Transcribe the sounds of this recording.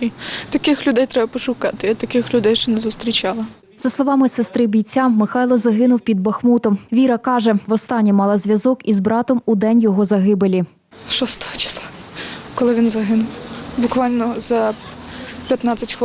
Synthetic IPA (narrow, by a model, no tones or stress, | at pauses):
it̪ɐkɪxlʲʊd̪ɛjt̪ɾɛbɐpɔʃʊkɑt̪ɪɐt̪ɐkɪxlʲʊd̪ɛjʃɛnɛzʊst̪ɾʲit͡ʃɑlˠɐ | z̥ɐslˠɔʋɑmɪsest̪ɾɪbʲijt͡sʲːaːɪxɑjlˠɔzɐɦɪnʊwpʲid̪̚bɐxmut̪ɔmʋʲiɾɐkɑʒɛʋɔst̪ɑnʲːimɑlˠɐzʲʋʲjɐzɔkizbɾɑt̪ɔmud̪ɛnʲjɔɦɔzɐɦɪbelʲi | ʃɔst̪ɔhɔt͡ʃɪ̥slˠakɔlˠɪʋʲinzɐɦɪnʊwbʊkʋɑlʲnɔzɐ | pʲjɐt̪nɑt͡sʲːɐtʲx